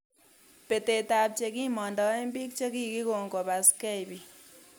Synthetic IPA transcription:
pe˨te˨ta˨p̚t͡ʃe˧ki˦mɔ˨ndɔ˨e˦mbi˦k̚t͡ʃe˦ki˦ki˦ko˨ŋko˨ba˨skɛ˦jbi˨

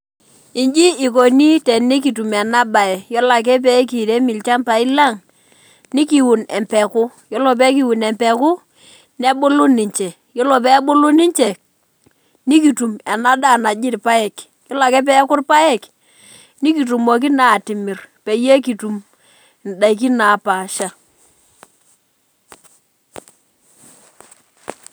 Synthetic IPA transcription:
i˨ɲd͡ʒi˦i˨k̬o˨ni˦tɛ˨ni˦k̬i˨tu˨mɛ˨na˦ba˨ɛ˨jɔ˦la˨k̬ɛ˦p̬ɛ˦ki˨ɾe˦mɪ˨lt͡ʃa˦mpa˨i˦la˦˨ŋ | ni˦ki˨wu˨nɛ˨mpɛ˨kʊ˦jɔ˦lɔ˨p̬ɛ˦k̬i˨˦wu˨nɛ˨mpɛ˨kʊ˦ | nɛ˦bo˦lu˦nɪ˨ɲt͡ʃɛ˨ | jɔ˦lɔ˨pɛ˦ɓo˦lu˦nɪ˦ɲt͡ʃɛ˨ | ni˦ki˨tu˨mɛ˨na˦da˦˨na˨d͡ʒɪ˦tpa˦ɛ˨k | jɔ˦la˨kɛ˦p̬ɛ˦kʊ˦rpa˦ɛ˦˨k | ni˦ki˨tu˨mɔ˨k̬i˦na˨tɪ˨mɪ˨rpe˨je˦k̬i˨tu˨m | n˨da˨i˨k̬i˦naː˨pa˨ʃa˦

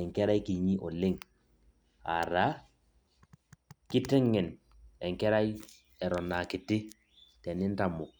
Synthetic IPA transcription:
ɛ˨ŋkɛ˦ɾa˦jki˨ɲi˦ʔɔ̰˨lɪ˦ŋ | a̰˨ɾa˦ | ki˦tɛ˦ŋːɛ˨n | ɛ˨ŋkɛ˦ɾa˦j | ɛ˨ɾɔ˨na˨ki˨ti˦ | tɛ˨nɪ˦n˦ta˨mu˨

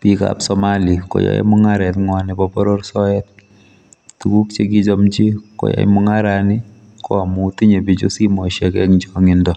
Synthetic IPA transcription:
pi˨ka̰psɔmali˨ko̰˨jɔ̰˨ḛ˦mʊ˦ŋaɾɛ˨tŋwanɪbɔpɔ˦ɾo˦ɾsɔ˦ɛt̚ | tu˨ku˦kt͡ʃe˦k̬i˦t͡ʃɔmt͡ʃi˦ko̰˨ja̰˦mʊ˦ŋaɾani˦ | kɔ˦a˨muti˦ɲe˨pi˨t͡ʃo˦si˦mɔ˨ʃɛkɛ˦kd͡ʒɔŋɪndɔ

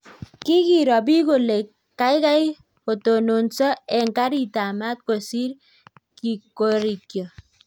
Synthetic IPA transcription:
ki˦ki˨ɾɔ˨bi˦ko˨le˨ | kːa˦i˦ka˦j | o˨to˨no˨nsɔ˦ɛ˨ŋ˨ka˦ɾi˦˨ta˨ma˦t̚ko˨si˦ɾ | ki˨ko˦ɾi˨kjo˨

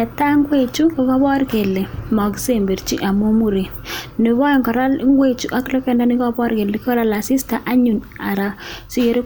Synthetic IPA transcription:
ɛ˨ta˦ŋɡwe˦t͡ʃu˦kɔ˦kɔ˦βɔ˦ɾke˨le˨mɔ˨ki̥˦se˨mbe˨ɾt͡ʃḭ˦ʔa˨mo˦mu˦ɾe˨ | ne˨βɔ˦˨ŋɡɔ˨ɾa˦lŋɡwe˦t͡ʃu˨ʔa˦klɛ˦kɛ˦nda˦ni˦kɔ˦bɔ˦ɾke˨le˨kkɔ˦ɾa˦la˨si˦sta˨ʔa˦ɲu˨n | a˨ɾa˨si˦e˦ɾe˦

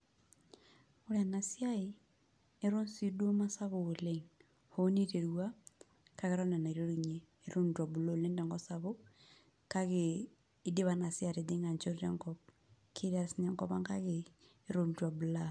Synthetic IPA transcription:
o˦ɾea˨na˨sjai˦ | e˦ɾo˦nsi˦do˦ma˦sa˦βo˨ɣo˨leŋ | ho˦ni˦ɾe˨ɾuwa˦ | ka˦ɣe˦ɾɔ˦na˨na˨i˨ɾo˦ɾu˨ɲeː | ɾo˦ndwa˨bu˨lo˦˨le˦ndɔ˨ŋɡɔsa˨βo˦ | ka˦ɣeː˦ | de˦βana˨sja˨ɾe˨de˦ŋa˨ɲt͡ʃo˦ɾɾɛ̰˦ŋkɔp̚ | kʰe˦ɾa˨sinɛ˦ŋkɔβa˦ŋka˦ɣeː | ɾo˦ndwa˨bu˨la

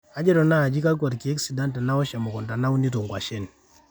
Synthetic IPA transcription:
a˦d͡ʒɛ˦ɾɔ˨na˦˨d͡ʒi˦ka˦k̬wa˨ɾki˨ɛ˦ksi˨da˦ntɛ˨na˦ɔ˦ʃa˨mɔ˨kɔ˨nda˨na˦u˦ni˦tɔ˨ŋɡwa˨ʃɛ˦n˨

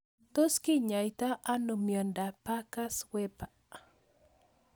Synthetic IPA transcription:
t̪o˦ski˦ɲa˨jt̪a˦ʔa˦no˨mjɔ˨nda˨pa˦ka˦swɛ˦pa

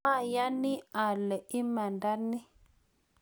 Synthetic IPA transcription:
a˦˨ja˦nɪ˦a˨lɛ˨ɪ˦ma˨nda˦nɪ˦

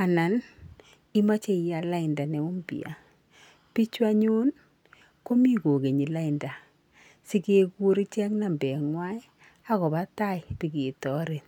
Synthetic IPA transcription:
a˨na˨n | i˦ma˦t͡ʃe˦˨ja˨la˦ɪ˨nda˨nɛ˨ʊ˦mbḭ˨a̰˨ | pi˦t͡ʃwa˦ɲu˦n | ko˦mi˦ko˨ke˨ɲi˨la˦ɪ˨nda˨ | si˦ke˦ku˦ɾi˦t͡ʃɛ˦kna˨mbɛ˨ŋwa˦ɪ˦ | a˦kɔ˨ba˦ta˦ɪ˨pi˨ke˨tɔ˦ɾe˨t̚

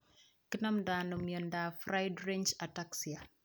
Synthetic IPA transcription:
ki˦na˦mda˨nɔ˨mjɔ˨nda˨fɾa˦jdɾend͡ʒa˨taksi˨a˨

